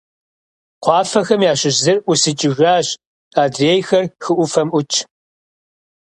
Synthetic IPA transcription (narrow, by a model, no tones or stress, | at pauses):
qʷʰɑːfɐxɐmjaːɕɪɕzɨrʔʷʊsɨt͡ʃʼɪʒʷaːɕ | aːdreːjxɐrxɨʔʷʊfɐmʔʷʊt͡ʃʰʼ